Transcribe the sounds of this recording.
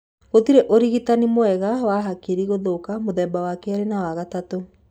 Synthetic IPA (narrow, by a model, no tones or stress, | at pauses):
ɣotiɾeʔoɾiɣitanimoɛɣawaɦakeɾiɣoðokamoðɛbawakɛaɾenawaɣatato